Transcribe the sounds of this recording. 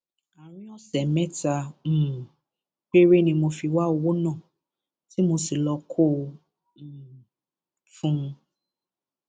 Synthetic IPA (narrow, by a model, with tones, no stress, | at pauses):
a˨ɾ̃ĩ˦ɔ˦˨sɛ˨mɛ̃˦tã˧˦˨ | k͡pe˦ɾe˦nĩ˧mo˧fi˧wa˦o˧wo˦nã˦˨ | ti˨˦mo˧si˨lɔ˧kʰõ˦˨ | fũ˦˧